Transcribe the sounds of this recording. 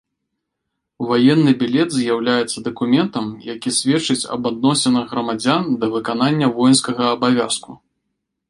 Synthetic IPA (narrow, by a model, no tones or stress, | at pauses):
vajɛnːɨbʲilʲɛt̪zʲjawlʲajɛt̪sːɐd̪ɐkumʲɛnt̪ɐmjakʲisʲvʲɛt͡ʂɨt͡sʲɐ̰bad̪̚nɔsʲɛnɐɣɣɾɐmad͡zʲand̪ɐvɨkananʲːɐvɔjnskɐɣɐːbavʲasku